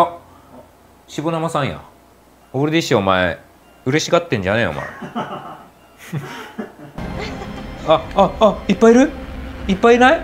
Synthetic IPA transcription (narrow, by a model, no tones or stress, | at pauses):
a | ɕibonamasãɰ̃ja̰ | oɾed̪eɕiaomae | ɯ̟ɾe̞ɕiɡat̪ːẽ̞ɲ̟d͡ʑaneo̰ma̰e | aːipːaiɾɯ̟ipːainai